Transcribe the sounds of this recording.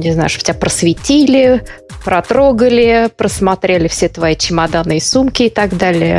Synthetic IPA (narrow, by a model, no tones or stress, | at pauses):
nʲɪzna̰jʊʂt̪o̥tʲapɾəsvʲɪtʲilʲɪ | pɾɐt̪ɾo̞ɡəlʲɪpɾəsmɐt̪ɾʲelʲɪfsʲet̪vɐit͡ɕɪmad̪anːɨjəsumkʲɪɪt̪ɐɡd̪alʲɪjə̰